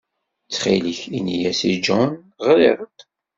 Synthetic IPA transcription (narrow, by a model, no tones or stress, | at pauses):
t͡sːχḭliçinijæsid͡ʒɔn | ʁlḭɾˤt̪